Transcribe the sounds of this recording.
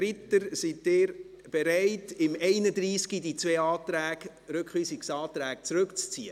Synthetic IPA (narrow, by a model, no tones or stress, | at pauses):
rɪtəɾsitːɪːɾ | b̥eɾɛɪtɪmɛɪnədɾiːskidit͡sveːɑːt̪ɾæːɡ | ɾɵkχʋisɪksɑːtɾæːkt͡sɾʉkt͡st͡sḭːə